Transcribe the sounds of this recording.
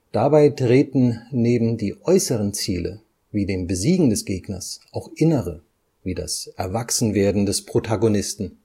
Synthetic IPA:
d̥abaɪtʁ̥eːtn̩neːbm̩diːʔɔʏsəʁənt͡siːlə̰ | viːdeːmbəziːɡŋ̩dɛsɡ̥eːɡnɐ̰sʔaʊxʔɪnəʁə | viːda̰sʔɛɐvaksn̩veːɐdn̩dɛspʁ̥otʰaɡonɪstn̩

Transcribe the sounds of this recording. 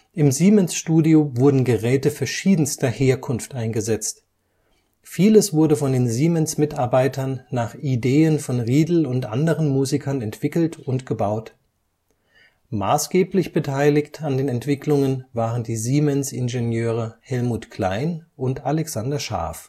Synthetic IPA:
ʔɪmziːmɛnsʃtuːdiovʊɐdn̩ɡəʁɛːtəfɛɐʃiːdn̩stɐheːɐkʰʊnftʔaɪnɡəzɛt͡st | fiːləsv̥ʊɐdəfɔndeːnziːmɛnsmɪtaɐbaɪtʰɐnːaːχideːənfɔnʁiːdl̩ʊntʔa̰ndəʁ̞ənmuːzikʰɐnɛntv̥ɪkl̩tʰʊntɡ̥əbaʊt | ma̰ːsɡ̥eːplɪçb̥ətʰaɪlɪçtandeːnɛntv̥ɪkʰlʊŋənvaːʁəndiːziːmɛnsɪ̰nʒenjøːʁ̞əhɛlmuːtkʰl̥a̰ɪnʔʊntalɛksandɐʃa̰ɐf

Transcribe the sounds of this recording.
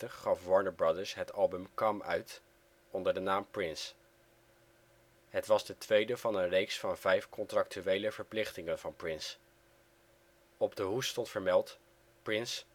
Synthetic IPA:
təχːɑfʋɑɹnəbɹɑdəɹsɦətɑlˠbəmkɑmœ̰ɥt | ɔndəɹdənaːmprɪns | ɦətʋɑzdətʋejdəvɑnənrejksfɑnvɛjfkɔntrɑk̚tyʋejləvəɹplɪχtɪŋənvɑnprɪns | ɔbdəɦustɔntfəɹmɛlˠt | prɪns

